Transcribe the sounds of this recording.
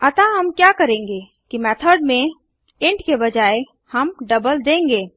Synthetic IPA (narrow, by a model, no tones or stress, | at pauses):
ət̪aɦəmkjakəɾẽːŋɡe | kimɛt̪ʰəɾɖmẽ | ɪ̃ɳʈkebəd͡ʒaːe | həmɖəbəld̪ẽːŋɡeː